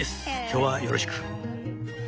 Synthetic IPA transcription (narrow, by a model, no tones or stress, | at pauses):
esɨ̥kʲʰo̞ːβajo̞ɾʔoɕi̥kɯ̥